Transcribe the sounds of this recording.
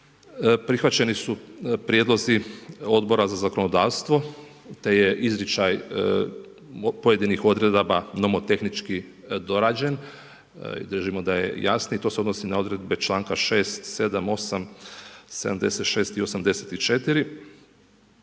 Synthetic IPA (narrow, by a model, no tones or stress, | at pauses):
pɾixʋat͡ɕe̞nisupɾjed̪lˠo̞zio̞d̪bo̞ɾazazako̞no̞d̪aːʋst̪ʋo̞ | t̪e̞je̞ʔizɾit͡ʃaj | poje̞d̪inixo̞d̪ɾe̞d̪obano̞mot̪e̞xnit͡ʃki | d̪o̞ɾaːd͡ʑen | ḭd̪ɾr̩ʒimo̞d̪aje̞̰jasnoit̪o̞seod̪nosinao̞d̪ɾe̞d̪be̞t͡ʃlˠaːŋkaʃe̞ːst̪se̞d̪amo̞samse̞d̪a̰md̪e̞̰se̞t̪ʃe̞ːst̪io̞samd̪e̞set̪it͡ʃe̞t̪iɾi